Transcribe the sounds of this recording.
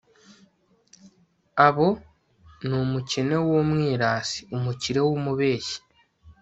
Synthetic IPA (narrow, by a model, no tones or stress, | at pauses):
aβo̞ | nomucene̞womwiːɾaːsi̥umuciɾe̞womuβe̞ːʃi̥